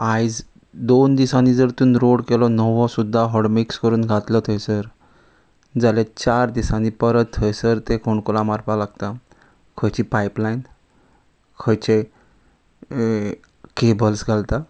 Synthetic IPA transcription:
ajd͡z | d̪ond̪isanid͡zəɾt̪uːnɾoɽkelɔnəʋɔsud̪ʱːaɦɔɽmikskəɾuːnɡʱat̪lɔt̪ʰəjsəɾ | d͡zalat͡ɕaɾd̪isãnipəɾət̪ʰːəjsəɾt̪ekoɳkolamaɾpalaɡt̪a | kʰəjt͡ɕipaiplain | kʰəjt͡ɕe | kebəlsɡʱalt̪a

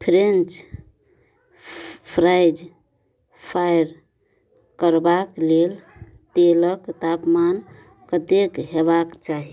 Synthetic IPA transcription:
pʰɾent͡ʃ | pʰɾajd͡ʒ | pʰajɾ | kəɾbaklel | t̪eləkt̪apman | kət̪ekɦebakt͡ʃaɦi

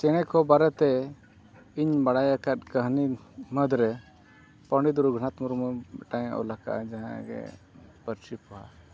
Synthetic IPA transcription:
t͡ʃɛɽ̃ɛkɔbaɾɛt̪ɛ | iɲbaɽajakat̪̚kəɦniməd̪ɾɛ | pəɳɖid̪uɾuɡʱəɽat̪muɾmuʈaɲʔɔ̰laka̰ʔd͡ʒaɦã̰ɡɛ̰ | pəɾt͡ʃipɔwa̰

